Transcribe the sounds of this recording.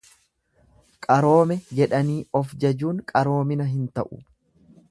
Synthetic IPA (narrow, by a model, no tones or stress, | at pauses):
kʼɐɾo̞ːmɛd͡ʒɛᶑɐniːɔfd͡ʒɐd͡ʒuːŋkʼɐɾo̞ːmɪnɐɦɪnt̪ɐʔʊ